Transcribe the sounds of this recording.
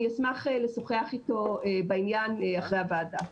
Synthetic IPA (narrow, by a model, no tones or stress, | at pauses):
asmaχele̞soχeaχito̞ebainjanaχʁeavaːda